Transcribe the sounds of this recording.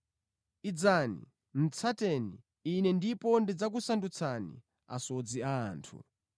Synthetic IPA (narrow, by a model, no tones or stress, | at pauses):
id͡zanḭ | m̩t͡sʰatɛniː | nɛndipɔndid͡zak̬usandut͡sʰanḭ | a̰sɔd͡ziaːntʰṵ